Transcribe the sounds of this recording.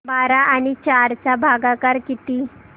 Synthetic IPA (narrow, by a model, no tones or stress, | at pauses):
baɾaʔaɽ̃it͡ɕaɾt͡ɕabʱaɡakaɾkit̪i